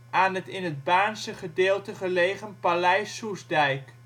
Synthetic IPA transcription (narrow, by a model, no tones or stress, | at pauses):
ʔaːnɦətɪnəd̚baːnsəχədɪːlˠtəχəlejχənpalɛjsusdɛjk